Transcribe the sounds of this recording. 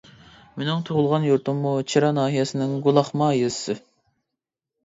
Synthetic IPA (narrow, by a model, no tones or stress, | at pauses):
menɪŋt̪ʰoʁʊlˠʁɑnjuɾt̪umːut͡ʃʰiɾɑnɑːɦijɛsɪnɪŋɡulˠɑχmɑjezsɨ